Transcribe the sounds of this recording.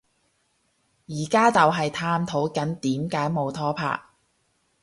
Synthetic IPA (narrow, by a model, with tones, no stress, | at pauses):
jiː˨˩kaː˥t͡sɐ˨wɦɐ˨jt̪ʰaː˥mt̪ʰo˨˥wkɐ˨˥nt̪iː˨˥mkaː˨˥jmo˨wt̪ʰɔː˥pʰa̰ː˧˨k̚